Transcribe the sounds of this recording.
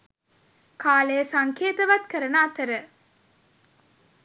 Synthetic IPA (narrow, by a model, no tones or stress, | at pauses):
kʰaːləjəsaŋkʰeːt̪əʋat̪kəɾənaːt̪əɾə